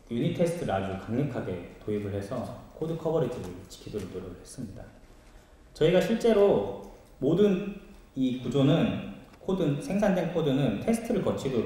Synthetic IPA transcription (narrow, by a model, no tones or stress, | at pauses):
juɲitʰe̞sʰɯ̥tʰɯɾɯad͡ʑukaŋɲʌkʰaɡe̞̰toibɯɭɦe̞sʰʌkʰodɯkʰʌbʌɾid͡ʑiɡɯɭt͡ɕi̥kʰidoɾonoɾjʌɡɯɭɦe̞s͈ɯmɲida̰ | t͡ɕʌiɡaɕʰiɭt͡ɕ͈e̞ɾo | modɯn | ikud͡ʑonɯnkʰodɯnsʰe̞ŋsʰandwe̞nkʰodɯnɯntʰe̞sʰɯ̥tʰɯɾɯɭkʌt͡ɕʰidoɾ